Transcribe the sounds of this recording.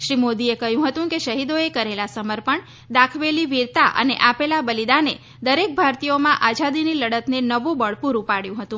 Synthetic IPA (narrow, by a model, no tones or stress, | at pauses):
ʃɾimod̪iekəɦjũɦət̪ũkeʃəɦid̪oekəɾelasəməɾpəɳ | d̪akʰʋeliʋiɾt̪aʔə̰neʔapelabəlid̪ane | d̪əɾek̚bʱaɾt̪ijomãʔad͡ʒad̪iniləɽət̪nenəʋũbəɭpuɾupaɽjũɦət̪ũ